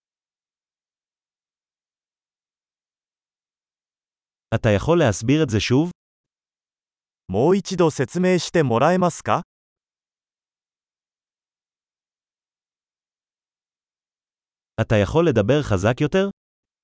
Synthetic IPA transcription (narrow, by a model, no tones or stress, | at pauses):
at̪ajaχo̞lːe̞ɦasbiʁe̞t̪ze̞ʃuv | mo̞ːit͡ɕid̪o̞se̞t͡sɨme̞ːɕi̥t̪e̞mo̞ɾae̞masɨ̥ka | at̪ajaχo̞lːe̞d̪abe̞ʁχazakjo̞t̪e̞ʁ